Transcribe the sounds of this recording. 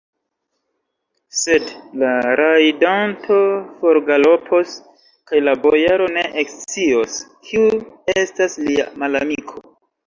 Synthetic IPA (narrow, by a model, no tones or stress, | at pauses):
se̞dlaɾʔajdantʰo̞fo̞ɾɡalo̞pʰo̞s | kajlabojaɾo̞ne̞ʔekt͡sioskʰiuestaslia̰malamikʰo̞